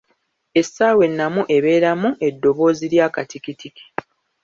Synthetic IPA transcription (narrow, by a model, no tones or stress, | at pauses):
e̞sːaːwe̞nːamuʔe̞βe̞ːɾamuʔe̞dːo̞βo̞ːziɾjaːkatikitiki̥